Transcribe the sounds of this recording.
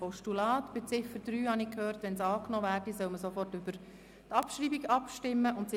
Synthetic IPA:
ɔʃtulɑːt̪b̥ɛt͡sɪfəɾd̥ɾyːhɑnikʰhøːrtʋɛnsɑːknɔːʋæːrdisœlməsofɔrtʏbəɾ | tɑpʃɾiːbiɡɑpʃtɪmːəʔʊntsɪ

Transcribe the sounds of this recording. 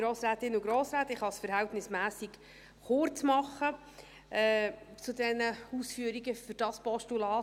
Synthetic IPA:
ɾoːsɾæːt̪ɪnʊɡɾoːsɾæːtɪχhɑsfəɾɦɛltnɪsmæːsik | χʊrt͡smɑχːə | ɛːt͡sudɛnəuːsfyəɾiɡəfʏɾd̥ɑspɔʃtulɑː

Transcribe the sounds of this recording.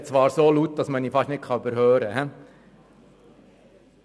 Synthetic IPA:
t͡sʋɑːɾsoːlut̪̚dɑsməniːfɑʃnɪt̚kʰɑybəɾhøːɾəɦɛ

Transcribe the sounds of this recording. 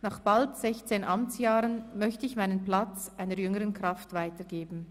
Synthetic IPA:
naːχb̥altz̥ɛçt͡seːnʔamt͡sjaːʁənmœçtəɪçmaɪnənplat͡sʔaɪnəɾjʏŋəʁənkʁ̥aftv̥aɪtəɡeːbn̩

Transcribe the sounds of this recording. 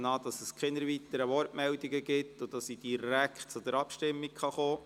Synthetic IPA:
nɑːd̥̪ɑsəskχɪnəɾʋit̪əɾəʋɔɾtmɛldiɡəɡɪtːʊd̥ɑsid̥̪iɾæktt͡sʊd̥̪ɛɾɑpʃtɪmːikχɑχoː

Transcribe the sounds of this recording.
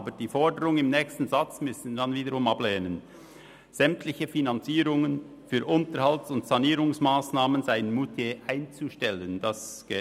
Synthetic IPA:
bəd̥iːfɔɹdəɾʊŋɪmnɛːçstn̩zat͡smʏsn̩danviːdəɾʁʊmɑblɛːnən | z̥ɛmtʰlɪçəfinant͡siːɾʊŋən | fyːʔʊntəɾhaltsʊntsaniːɾʊŋsmaːsnaːmənzaɪənmutʰeʔaɪnt͡suʃtɛlənd̥ɑsɡ̥ɛ

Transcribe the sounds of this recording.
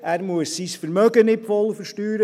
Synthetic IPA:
æːɾmuəsːisfəɾmœɡənɪtfɔlfəɾʃtyːɾə

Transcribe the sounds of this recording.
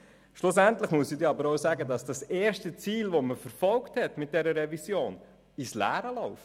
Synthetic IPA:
ʃlʊsæntləχmuəsidɛɑbəɾɔʊsɑːɡədɑsd̥ɑseːɾʃtət͡siːlvoməfəɾfɔlkthɛtmɪt̚d̥ɛɾəɾɛvisjoːn | islæ̰ːɾəlɔʊf

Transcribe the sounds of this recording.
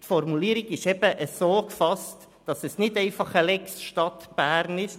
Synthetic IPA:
tfɔrmuliːəɾiɡɪʃɛb̥əʔəsoːkfɑst | d̥ɑsɛsnɪdɛɪfɑχəlɛksʃtɑt̪b̥æːɾnɪʃ

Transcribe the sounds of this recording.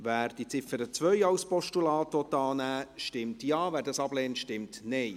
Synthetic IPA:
væːɾd̥it͡sɪfəɾət͡sʋœʏɑwspɔʃtulɑːtʋɔt̪ːɑːnæːʃtɪmtjɑːvæːɾdɑsɑblɛːntʃtɪmtnɛɪ

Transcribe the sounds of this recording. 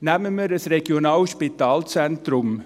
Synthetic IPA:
næməməɾəsɾeɡ̥jonɑːlʃpit̪ɑːlt͡sɛntɾʊm

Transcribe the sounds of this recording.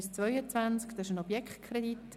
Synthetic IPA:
st͡svœʏət͡svænt͡skd̪ɑɪʃənɔbjɛkχtkʰɾɛd̪it

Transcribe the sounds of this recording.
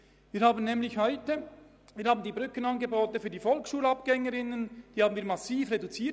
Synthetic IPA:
viːɾhaːbən̩nɛːmlɪçhɔʏtə | viːɐɾhaːbən̩d̪iːbʁʏkənɑnɡeboːtəfyːɐdiːfɔlksʃuːlɑpɡ̥ɛŋəɾɪnənd̥iːaːbn̩viːɐɾmɑsiːfʁedut͡siː

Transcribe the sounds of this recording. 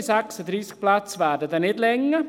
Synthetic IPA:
sæksəd̪ɾiːsk̚plat͡sʋæːɾdəd̪ɛnɪtlɛŋːə

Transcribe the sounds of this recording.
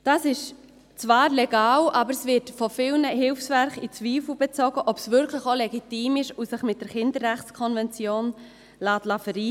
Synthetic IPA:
d̥ɑsɪʃ | t͡svɑːɾlɛɡɑːwʔɑbəɾsvɪɾtfɔfɪlnəɦɪlfsvæɾχit͡sviːfl̩b̥ɛt͡sɔɡəʔɔpsvʏɾkʰləχolɛɡitiːmɪʃusɪχmɪt̚d̥əɾχɪndəɾːæχt͡skʰɔnvɛnt͡sjoːn | lɑːtlɑfəɾiː

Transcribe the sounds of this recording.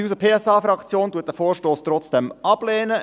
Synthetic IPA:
uːsəpʰeːɛsɑːfɾɑkt͡sjoːnd̥uət̚d̥əfoːɾʃtoːst̪rɔt͡sd̥ɛmɑb̥lɛːnə

